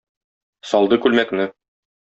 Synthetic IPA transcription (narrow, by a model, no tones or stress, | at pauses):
sɒlˠd̪ɤkʉlmæknɘ